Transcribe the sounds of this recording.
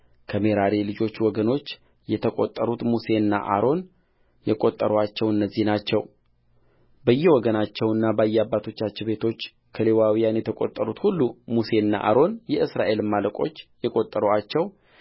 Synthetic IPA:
kʰəme̞ɾaɾelɨd͡ʒo̞t͡ʃːwɔɡəno̞t͡ʃː | jɛt̪ʰəkʼo̰t̪ʼːəɾut̪muse̞ɨnːa̰ʔa̰ɾo̞n | jɛkʼo̞t̪ʼːəɾoat͡ʃːɛwɨnːəzːihnat͡ʃːɛw | bəjːɛwɔɡənat͡ʃːɛwɨnːabəjːɛabːat̪ʰo̞t͡ʃːat͡ʃːɪbe̞t̪ʰo̞t͡ʃː | kʰəle̞wawijanjɛt̪ʰəkʼot̪ʼːəɾut̪hulːumuse̞ɨnːa̰ʔa̰ɾo̞njɛɨsɾaʔe̞lmːaləkʼo̞t͡ʃːjɛkʼot̪ʼːəɾoat͡ʃːɛw

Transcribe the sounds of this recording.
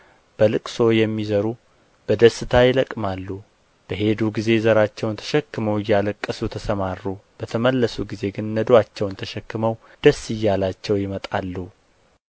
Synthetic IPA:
b̥əlɨkʼso̞jɛmːizəɾu | b̥əd̪əsɨt̪ʰajɪləkʼːmalːu | b̥əɦe̞d̪uɡize̞zəɾat͡ʃːɛwnt̪ʰə̥ʃɛkːɨməwɪjːaləkʼːɨsut̪ʰəsəmarːub̥ət̪ʰəməlːəsuɡize̞ɡɨnːəd̪oat͡ʃːɛwnt̪ʰəʃɛkːɨməw | d̪̥əsːɨjːalat͡ʃːɛwjɪmət̪ʼalːu

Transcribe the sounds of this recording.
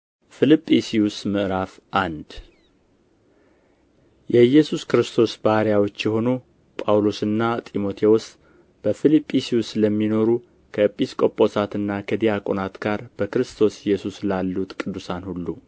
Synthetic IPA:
fɨlipʼːisiusmɨʔɾaf | ʔand̪ | jɛjɛsuskɨɾɨst̪ʰo̞sbahɾjawo̞t͡ʃːjɛɦo̞nu | pʼawlosɨnːat̪ʼimo̞t̪ʰe̞wos | b̥əfilipʼːisiusləmːino̞ɾu | kʰəpʼiskʼo̞pʼːo̞sat̪ɨnːakʰəd̪ijakʼonat̪ɡaɾb̥əkɨɾɨst̪ʰo̞sɪjːɛsuslalːut̪kʼɨd̪ːusanhulːu

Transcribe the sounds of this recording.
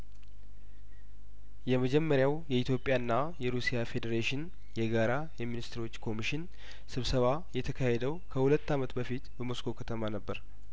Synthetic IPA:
jɛməd͡ʒɛmːəɾjawjɛit̪ʰjo̞pʼːjaɨnːajɛɾusijafe̞d̪əɾeʃɪn | jɛɡaɾa | jɛminist̪ɨɾo̞t͡ʃːkʰo̞miʃɪn | sɨβsəβa | jɛt̪ʰəkʰahed̪əwkʰəhulət̪ːamət̪bəfit̪bəmo̞skʰo̞kʰət̪ʰəmanəbːəɾ

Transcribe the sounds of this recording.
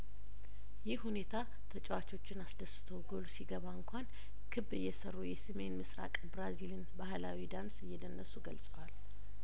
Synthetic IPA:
jɪhhune̞t̪ʰa | t̪ʰət͡ʃʼɛwat͡ʃo̞t͡ʃːɪnasd̪əsɨ̥t̪ʰəwɡolsiɡəβaɨŋkʷʰan | kʰɨbɨjːɛsərːujɛsɨme̞nmɨsɾa̰kʼbɾazilɨnbahlawid̪ansɨjːɛd̪ənːəsuɡəlsʼəwal

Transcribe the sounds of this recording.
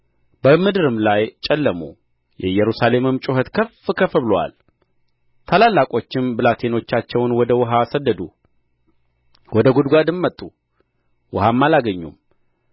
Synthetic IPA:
bəmɨd̪ɨɾɨmlajt͡ʃʼɛlːəmu | jɛ̰jɛɾusale̞mɨmt͡ʃʼuɦət̪kʰəfkʰəfəβlwa̰l | t̪ʰalalːakʼo̞t͡ʃːɪmbɨlat̪ʰe̞no̞t͡ʃːat͡ʃːɛwnwɔd̪əwʊɦasəd̪ːəd̪u | wɔd̪əɡud̪ɡʷad̪ɨmːət̪ʼːu | wʊhamːalaɡəɲːṵm

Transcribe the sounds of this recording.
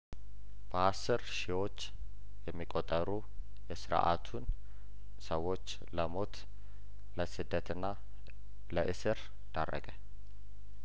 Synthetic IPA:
b̥əasːɨɾʃiwo̞t͡ʃː | jɛmːikʼot̪ʼːəɾu | jɛsɨɾʔa̰t̪ʰun | səwːo̞t͡ʃː | ləmo̞t̪ | ləsɨd̪ːət̪ɨnːa | ləʔɨsɨɾ | d̪̥arːə̰ɡʼə

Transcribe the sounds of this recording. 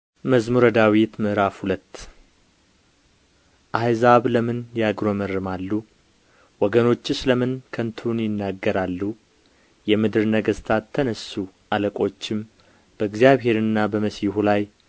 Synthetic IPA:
məzmuɾəd̪awit̪mɨʔɾafhulət̪ː | ʔajzaβləmɨnjaɡɾomərːɨmalːu | wɔɡəno̞t͡ʃːɨsləmɨnkʰənt̪ʰunjɪnːaɡːəɾalːu | jɛmɨd̪ɨɾnəɡəst̪ʰat̪ʰːənəsu | ʔaləkʼo̞t͡ʃːɪm | b̥əɨɡzjaβɦe̞ɾɨnːabəməsjhulaj

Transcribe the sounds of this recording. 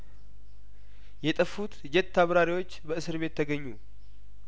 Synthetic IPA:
jɛt̪ʼəfut̪d͡ʒɛt̪ʰːaβɾaɾiwo̞t͡ʃːbəʔɨsɨɾβe̞t̪ʰːəɡəɲːu

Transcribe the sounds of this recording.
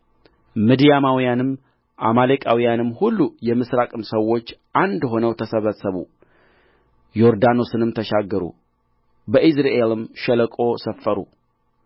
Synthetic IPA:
mɨd̪ijamawijanɨmː | ʔamalekʼawijanɨmːhulːujɛmɨsɾakʼɨmsəwːo̞t͡ʃːʔand̪ɦo̞nəwt̪ʰəsəβəsəβṵ | jo̞ɾd̪ano̞sɨnɨmt̪ʰəʃaɡːəɾṵ | bəʔisɾaʔelɨmʃələkʼo̞səfːəɾṵ

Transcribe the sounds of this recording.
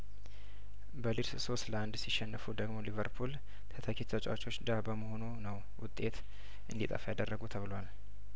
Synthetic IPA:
bəliɾsso̞sləand̪siʃɛnːəfud̪əɡmo̞livəɾpʰul | t̪ʰət̪ʰəkʰet̪ʰət͡ʃʼawt͡ʃːo̞t͡ʃːd̪abəməho̞nunəw | wʊt̪ʼːe̞t̪ | ʔɨnd̪it̪ʼə̰fajad̪ərːəɡut̪ʰəβɨlwal

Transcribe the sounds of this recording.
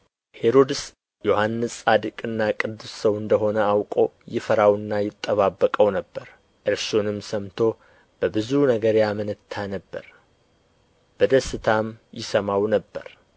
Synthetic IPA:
he̞ɾo̞d̪ɨs | jo̞hanːɨsad̪ɨkʼɨnːakʼɨd̪ːussəwɨnd̪əɦo̞nəawkʼo̞jɪfəɾawɨnːajɪt̪ʼːəβabːəkʼəwnəbːəɾ | ʔɨɾsonɨmsəmt̪ʰo̞ | b̥əbɨzunəɡəɾjamɨnɨt̪ʰːanəbːə̰ɾ | b̥əd̪əsɨt̪ʰamjɪsəmawnəbːə̰ɾ

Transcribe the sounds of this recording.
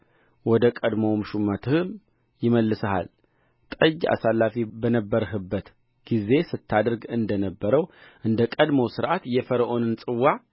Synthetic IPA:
wɔd̪əkʼəd̪məwmɨʃumːət̪ʰɨhɨm | jɪməlːɨsəha̰l | t̪ʼəd͡ʒːa̰salːafibənəbːəɾɦɨbːət̪ | ɡ̥ize̞sɨt̪ʰːad̪ɨɾɡɨnd̪ənəbːəɾəwʔɨnd̪əkʼəd̪məwsɨɾʔat̪jɛfəɾəʔo̞nɨnsʼɨwːa

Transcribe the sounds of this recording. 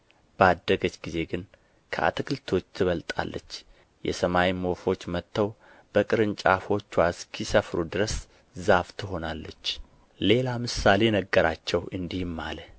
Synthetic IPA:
b̥əad̪ːəɡət͡ʃːɡize̞ɡɨn | kʰəʔa̰t̪ʰɨkɨlt̪ʰo̞t͡ʃːt̪ʰɨβəlt̪ʼa̰lːə̰t͡ʃː | jɛ̰səmawimo̞fo̞t͡ʃːmət̪ʰːəw | b̥əkʼɨɾɨnt͡ʃʼafo̞t͡ʃːwaskʰisəfɾud̪ɨɾəs | zaft̪ʰɨɦo̞nalːət͡ʃː | le̞lamɨsale̞nəɡːəɾat͡ʃːɛwʔɨnd̪ihmːa̰lə

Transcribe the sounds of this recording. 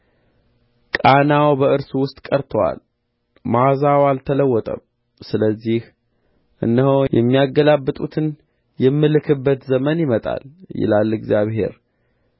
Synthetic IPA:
kʼanawbəɨɾsuwʊst̪ʼkʼəɾt̪ʰəwa̰l | mazawalt̪ʰələwːɔt̪ʼə̰m | sɨləzːih | ʔɨ̰nːəɦojɛmːijaɡəlabːɨt̪ʼut̪ʰɨn | jɛmːɨlɨkʰɨbːət̪zəmənjɪmət̪ʼa̰ljɪ̰lalːɨɡzjaβhe̞̰ɾ

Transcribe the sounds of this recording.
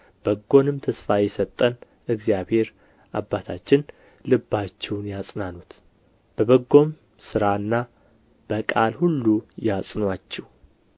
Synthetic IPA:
b̥əɡːo̞nɨmt̪ʰəsfajɛsət̪ʼːən | ɨɡzjaβhe̞ɾ | ʔabːat̪ʰat͡ʃːɪn | lɨbːat͡ʃːɛwnjasʼnanut̪ | b̥əbəɡːo̞m | sɨɾaɨnːa | b̥əkʼalhulːujasʼnwat͡ʃːɛw

